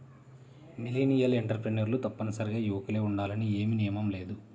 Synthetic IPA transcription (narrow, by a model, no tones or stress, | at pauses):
miliːnijɐleɳʈɐɾpɾenɐɾlut̪ɐpːɐnɐsɐɾiɡaːjuʋɐkɐle̞ːuɳɖaːlɐnieːminijɐmɐmle̞ːd̪u